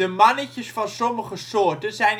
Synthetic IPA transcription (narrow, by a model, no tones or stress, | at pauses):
əmɑnəcəsfɑnsɔməχəsʊːɹtənzɛjn